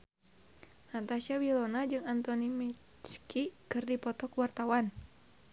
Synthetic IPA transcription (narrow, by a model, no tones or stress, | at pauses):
ʔat̪asawilɔnad͡ʒɨŋant̪ɔnimi | t͡ʃkikɨrdipɔt̪ɔkəwart̪awan